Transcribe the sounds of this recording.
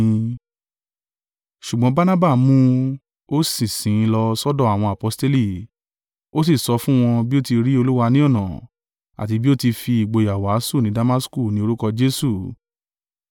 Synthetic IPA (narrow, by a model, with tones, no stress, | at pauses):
ʃu˨ɡ͡bɔ̃˨˦ba˦na˦ba˦˨mũ˦ | o˦sĩ˦˨sĩ˨˦˧lɔ˧sɔ˦dɔ̃˦˧˨a˨w̃ɔ̃˧a˨po˨˦ste˦li˦˨ | o˦s̬i˦˨sɔ˧˦fũ˦w̃ɔ̃˧bi˦o˦ti˧ɾi˦o˧lu˦wa˧nĩ˦ɔ˦˨nã˨ | a̰˨ti˧bi˦o˦ti˧fi˧i˨ɡ͡bo˨ja˨wa˨˦su˦˨nĩ˨˦da˧ma˦sku˦˨nĩ˨˦o˧ɾu˦kɔ˧d͡ʒe˦su˦˨